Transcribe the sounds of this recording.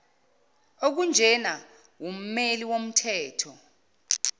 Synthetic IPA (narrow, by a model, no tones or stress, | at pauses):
ok̬und͡ʒʱɛna | wom̩meliwom̩tʰɛːtʰɔ